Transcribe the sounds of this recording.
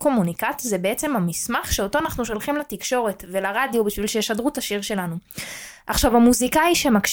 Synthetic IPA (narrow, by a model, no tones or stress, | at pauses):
ko̞munikat͡szebeet͡se̞mhamismaχʃeo̞toanaχnuʃo̞lχimlatikʃo̞ʁe̞tve̞laʁadjobiʃvilʃejeʃadʁutaʃiʁʃe̞lanuʔaχʃavamuzikaiʃe̞makʃ